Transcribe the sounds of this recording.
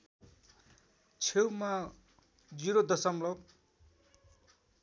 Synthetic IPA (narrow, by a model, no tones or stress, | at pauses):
t͡sʰewma | d͡ziɾod̪ʌsʌmlʌb